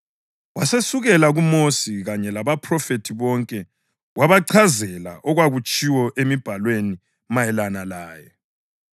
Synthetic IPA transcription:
wasesuɣɛlaɣumosiɣaɲɛlaβapʰrɔfetʰiβɔŋkʼɛ | waβaǀʰazɛla̰ʔɔɣwaɣut͡ʃʼiwɔʔemib̥ʱalweni | majɛlanalaːjɛ

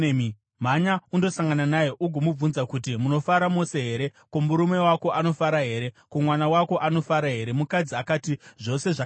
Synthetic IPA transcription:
m̤aɲaundo̞saŋɡananajeʔuɡʱomub͡vunzakut̬imuno̞faɾamose̞ɦe̞ɾe̞ | komuɾume̞wako̞ʔano̞faɾaɦe̞ːɾe̞komwanawako̞ʔano̞faɾaɦe̞ɾe̞mukad͡ziakaːtiʐo̞se̞ʐa

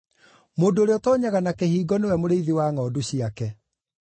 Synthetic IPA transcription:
moːdoːɾeɔtɔːɲaɣanakehiːɡɔnewɛmoɾeiðiwaŋɔːdoɕiakɛ

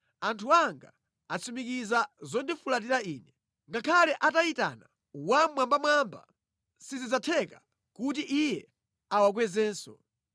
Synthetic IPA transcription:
antʰuaŋɡa | at͡sʰumikizazɔndifulat̬iɾaiːnɛ | ŋɡakʰalɛʔataita̰na | wamwambamwamba̰ | sizid͡zatʰɛka | kutiʔijɛ | awak̬wɛzɛːnsɔ

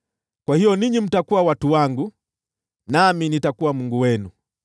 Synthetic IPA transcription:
kwahijɔniɲim̩takuawatuwaŋɡu | naminitakuwamuŋɡuwɛnu

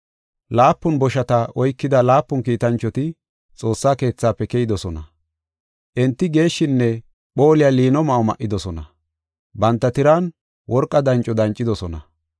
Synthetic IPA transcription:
laːpːʊnbɔʃɐt̪ɐɔjkːɪd̪ɐlaːpːʊnkiːt̪ɐnt͡ʃːɔt̪ɪ | t͡sʼo̞ːsːaːke̞ːt͡sːaːpːɛkɛjɪd̪ɔsɔnɐ | ʔɛnt̪ːɪɡe̞ːʃːɪnːɛ | ɓo̞ːlɪjaliːnɔmɐʔɔmɐ̰ʔːɪd̪ɔsɔnɐ | bɐnt̪ːɐt̪ɪɾan | wɔɾkʼːɐd̪ɐnt͡ʃʼɔd̪ɐnt͡ʃʼːɪd̪ɔsɔnɐ̰

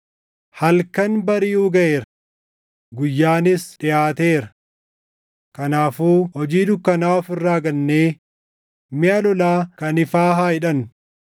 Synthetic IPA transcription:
hɐlkɐnbɐɾɪuːɡɐʔeːɾɐ | ɡʊjːaːnɪsᶑɪjaːt̪eːɾɐ | kɐnaːfuːhɔd͡ʒiːd̪ʊkːɐnaːɔfɪrːaːɡɐnːeː | mɪɐlɔlaːkɐnɪfaːɦaːɪᶑɐn

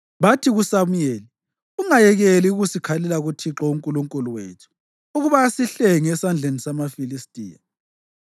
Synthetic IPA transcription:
βatʰiɣusamujeːli | uŋajɛɣeliuɣusikʰalɛlaɣutʰiǁɔuŋkʼuluŋkʼuluwḛtʰu̥ː | ɣuβasiɬɛŋɛsand͡ɮʱenisamafilistʼḭːja

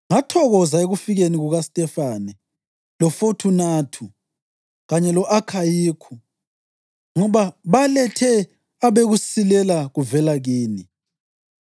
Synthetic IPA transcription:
ŋatʰɔɣɔzaeɣufiɣeniɣuɣastʼɛfanɛ | lɔfotʰunaːtʰu | ɣaɲɛlɔʔakʰajiːkʰu | ŋɔβaβalɛtʰɛ | aβeɣusilɛlaɣuvɛlaɣiːni

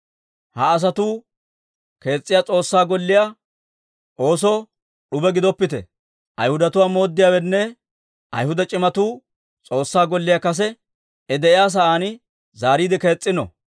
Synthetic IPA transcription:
hɐːs̬ɐt̪uː | ke̞ːt͡sʼːɪjaːt͡sʼo̞ːsːaːɡɔlːɪjaː | ʔo̞ːs̬ɔ | ɗʊbɛɡɪd̪ɔpːɪt̪ɛ̰ | ʔɐ̰jhʊd̪ɐt̪ʊwaːmo̞ːd̪ːɪjaːwɛnːɛ | ʔɐ̰jhʊd̪ɐt͡ʃʼɪmɐt̪uː | t͡sʼo̞ːsːaːɡɔlːɪjakɐs̬ɛ | ɛd̪ɛʔɪjaːs̬ɐʔaːnɪ | zaːɾiːd̪ɪke̞ːt͡sʼːɪnɔ̰

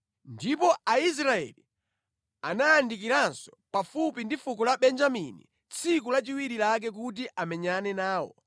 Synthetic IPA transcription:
ndipɔais̬ɾaɛ̰li | a̰naːndik̬iɾansɔ̥pafupindifukɔlaɓɛnd͡ʒamḭnḭ | t͡sʰik̬ulat͡ʃiwiɾilak̬ɛk̬ut̬iʔamɛɲanɛnaːwɔ̰

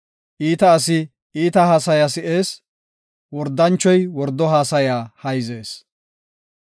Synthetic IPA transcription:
ʔiːt̪ɐːsɪ | iːt̪ɐhaːsɐjasɪʔeːs | wɔɾd̪ːɐnt͡ʃːɔjwɔɾd̪ːɔɦaːsɐjaːhɐjze̞ːs

